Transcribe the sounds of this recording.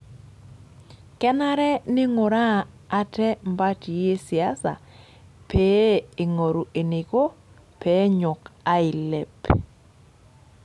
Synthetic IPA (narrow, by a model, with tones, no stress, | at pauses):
kɛ˦na˦ɾɛ˦nɪ˦ŋʊ˨ɾaː˦˨ | tɛ˦mba˦ti˨je˦si˨a˦sa̰˨ | pe˦e˨ŋo˨ɾu˨ʔe˨ne˨ko˦ | pʰe˦ɲʊ˨ka˦i˨le˨p